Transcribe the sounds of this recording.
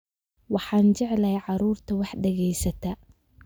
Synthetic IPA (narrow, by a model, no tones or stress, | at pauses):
wɑħɑːnt͡ʃɛʕlɐjʕɑɾuːrt̪ʰɐwɑħɖɛɣɛjsɐt̪ʰɐ